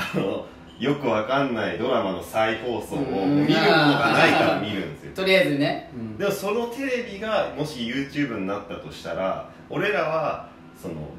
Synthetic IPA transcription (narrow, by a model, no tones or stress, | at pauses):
ano | jo̞kɯ̟βakanːaid̪o̞ɾamano̞saiɸo̞ːsoːomʲiɾɯ̟mo̞no̞ɡanaiaɾamʲiɾɯ̟̃nd̪e̞sɨjot̪oɾijazɨned̪e̞mo̞so̞no̞t̪e̞ɾe̞bʲiɡamo̞ɕijɯ̟ːt͡ɕɨːbɯ̟ɲ̟inat̪ːat̪o̞ɕi̥t̪aɾa̰ | o̞ɾe̞ɾaβa | so̞no̞̰